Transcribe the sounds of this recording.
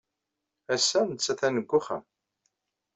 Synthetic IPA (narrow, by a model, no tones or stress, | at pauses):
æsːænt͡sːæθænəɡʷːʊχə̰m